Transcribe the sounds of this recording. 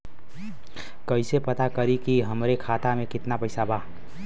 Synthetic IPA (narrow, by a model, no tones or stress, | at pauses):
kəɪsepət̪akəɾikiɦəmɾekʰat̪amekɪt̪napəɪsaba